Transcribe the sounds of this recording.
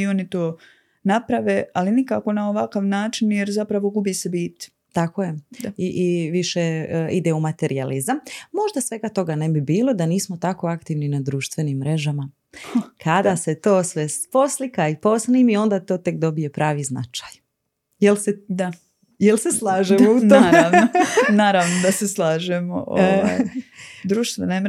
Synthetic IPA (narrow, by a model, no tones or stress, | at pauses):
io̞nit̪oː | napɾaʋealinikako̞naoʋakaʋnaːt͡ʃinjeɾzapɾaʋo̞ɡubiːsebiːt̪ | t̪akoje̞aiʔiʋiʃeid̪eumat̪e̞ɾʔializammo̞ʒd̪asʋe̞ɡat̪o̞ɡane̞bibiːlo̞d̪aniːsmot̪ako̞akt̪iʋninad̪ɾuːʃt̪ʋe̞nimːɾe̞ʒama | kʰad̪ase̞t̪oːsʋespo̞slikaipo̞sniːmio̞nd̪at̪o̞ːt̪e̞kd̪o̞bije̞pɾʔaːʋizna̰t͡ʃḁj | jelsed̪a | jelseslˠaːʒemoutnoɾaʋnonaːɾaʋnod̪aseslˠaːʒemo̰ʔo | d̪ɾuːʃt̪ʋenem